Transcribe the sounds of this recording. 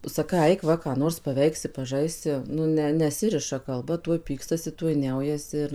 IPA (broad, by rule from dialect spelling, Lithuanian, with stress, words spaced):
sɐˈkɐɪ ˈɐɪk ʋɐ kɑː ˈnoːrs pɐˈʋʲɛɪksʲɪ pɐˈʒɐɪsʲɪ nʊ ˈnʲɛ nʲɛˈsʲɪrʲɪʃɐ kɐlˠˈbɐ ˈtuɔj ˈpʲiːkstɐsʲɪ ˈtuɔj ˈnʲɛʊjɛsʲɪ ɪr